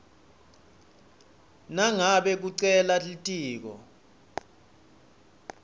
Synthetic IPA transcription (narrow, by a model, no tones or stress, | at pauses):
naŋaɓɛk̬uǀɛlalitʼiːk̬ɔ̰